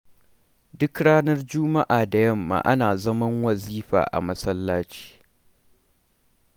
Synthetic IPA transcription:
dʊ˦kɽaː˦nɐ˦rd͡ʒʊː˦ma˦ʔaː˨da˨jɐ˦mːa̰ː˨ʔa̰˦naː˨zɐ˦mɐ˦ŋwɐ˨ziː˦ɸa̰ː˨ʔa̰˨mɐ˦sɐ˦lːaː˦t͡ʃi̥ː˦

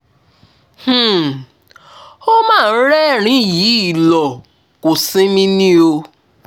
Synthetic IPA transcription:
h̩˦˨ | o˦mãː˦˨˦ɾɛ˦ɾ̃ĩ˨˦ji˨˦˨lɔ˨ | ko˨sĩ˦mĩ˦nĩ˦o˧

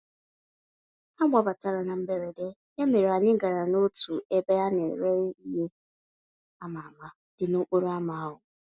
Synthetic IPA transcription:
a˦mʷa˨ba˨ta˨ɾa˨na˨m̩˦be˦ɾe˨de˦ | ja˦me˨ɾa˨ɲɪ˦ŋ̩˦ɡa˨ɾa˨no˦tu˨e˦be˦a˦ne˨ɾe˦i˦ɦe˦ | a˦ma˨ma˦ | d̥ɪ˨no˦k͡po˦ɾa˦ma˨˦ɦʊ˨

